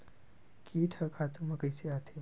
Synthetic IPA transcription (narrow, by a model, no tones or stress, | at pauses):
kiːt̪ʰɐkʰat̪umɐkɐjseat̪ʰe